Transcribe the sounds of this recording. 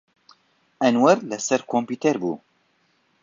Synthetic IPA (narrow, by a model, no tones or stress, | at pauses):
ʔɛnwɛɾlɛsɛɾkʰompiːt̪ɛɾbṵː